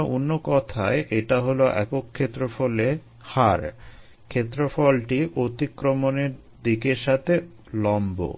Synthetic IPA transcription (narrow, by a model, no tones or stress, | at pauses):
onːokɔt̪ʰaeʔeʈaɦoloʔɛ̰kokʰːet̪ːɾofɔle | haɾ | kʰet̪ːɾofɔlʈiʔot̪ikɾomoneɾ | d̪ikeɾʃat̪ʰe | lɔmbo̰